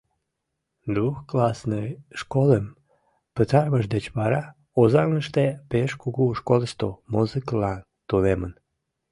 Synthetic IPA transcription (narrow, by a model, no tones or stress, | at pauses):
d̪uxklɑsnəjʃkoləm | pət̪ɑrməʃd̪et͡ɕβɑɾɑ | ozɑŋləʃt̪epeʃkuɣuʃkolʃt̪omuzɨkəlɑn | t̪unemən